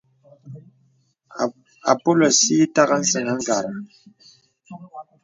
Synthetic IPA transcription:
a̰˨po˦lɔ˨si˦ta˦ɣa˦n̩˦sə˨ŋa˦ŋ̩˦ɡa˨ɾa˨

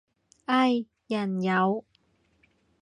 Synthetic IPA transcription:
ʔɐ˥˧j | jɐ˨˩njɐ˨˧w

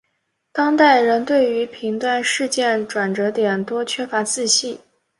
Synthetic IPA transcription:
t̪ɑ˥ŋt̪a˥˩ɪɻə˧˥nt̪we˥˩ɪy˧˥pʰi˧˥ŋt̪wa˥˧nʂɻ̩˥˧t͡ɕjɛ˥˩nʈ͡ʂwa˨˩nʈ͡ʂɤ˧˥t̪jɛ˨˩nt̪wɔ˥t͡ɕʰɥɛ˥fa˧˥t͡sɹ̩˥˧ɕi˥˩

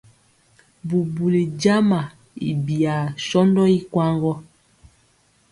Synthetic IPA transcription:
bu˨bu˨le˨d͡ʒa˦ma˨ | ḭ˨bi˨a˨sɔ˦ndɔ˦i˦kwa˦ŋɡɔ˦

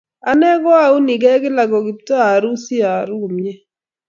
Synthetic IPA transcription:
a˨nɛ˦ɡɔ˦a˨u˦ni˨ɡɛ˦ɡɪ˦la˨ɡɔ˨ɡɪ˨ptɔ˦a˨ɾu˦si˦a˨ɾu˦˨mjɛ˦

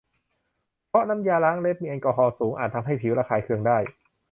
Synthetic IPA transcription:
pʰɔ˦˥na˧˥mjaː˧laː˦˥ŋle˦˥p̪̚miː˧ʔa˧nkɔː˧ɦɔː˧suː˩˦ŋʔa̰ː˨˩t̪ʰːa˧mɦa˥˩jpʰi˩˦wɾaː˧kʰaː˧˩jkʰɯ˧əŋdaː˥˩j

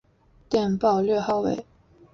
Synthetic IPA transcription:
t̪jɛ˥˧npɑ˥˧ʊlɥɛ˥˧xɑ˥˩ʊwḛ˨˩˦ɪ

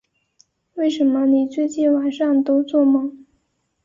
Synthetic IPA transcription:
we˥˩ɪʂə˧˥nmə˧ni˨˩t͡swe˥˧ɪt͡ɕi˥˩nwa˨˩˦nʂɑ˥˩ŋt̪o˥ʊt͡swɔ˥˩mɤ˨˩˥ŋ

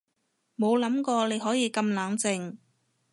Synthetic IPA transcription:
mo˨˧wlɐ˨˥mkɔː˧le˨˧jɦɔː˨˥jiː˨˧kɐ˧mlaː˨˧ŋt͡sɪ˧ŋ

